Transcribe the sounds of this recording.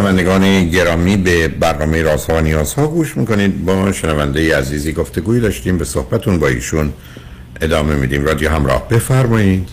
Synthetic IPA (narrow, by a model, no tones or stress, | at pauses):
ʃenævænd̪eɡɒːneɟe̞ɾɒːmiːbebæɾnɒːmejeɾɒːzhɒːvænijɒːz̥hɒːɡuːʃmiːko̞niːd̪bɒʃenævænd̪ejeæziːziːɡo̞ft̪e̞ɡuːiːd̪ɒːʃt̪iːmbe̞so̞hbæt̪ʰunbɒːḭːʃun | ʔe̞d̪ɒːme̞miːd̪iːmrɒːd̪ijoɦæmɾɒ̰ːhb̥e̞fæɾmɒːjiːd̪̥